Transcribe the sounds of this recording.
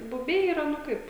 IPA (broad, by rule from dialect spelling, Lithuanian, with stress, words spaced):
bʊˈbʲɛɪ iːˈrɐ nʊ ˈkɐɪp